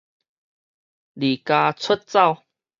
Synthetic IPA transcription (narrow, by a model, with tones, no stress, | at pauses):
li˨˩ka˧t͡sʰə˦t̚t͡sa˥˧w